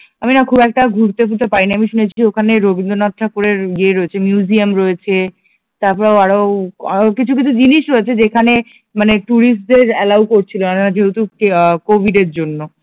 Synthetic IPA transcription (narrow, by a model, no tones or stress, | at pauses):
aminakʰubɛk̚ʈaɡʱuɾt̪efult̪epaɾiniamiʃunet͡ɕʰiiokʰaneɾobind̪onat̪ʰːakuɾeɾɡieeɾoet͡ɕʰemjuziamɾoet͡ɕʰe | t̪aɾpɔɾeoaɾo | kit͡ɕʰuk̬it͡ɕʰud͡ʑiniʃɾoet͡ɕʰed͡ʑekʰane | maneʈuɾisʈ̚d̪eɾɛlawkoɾt͡ɕʰilonaad͡ʑeɦut̪ukekobʱiɖeɾd͡ʑonːo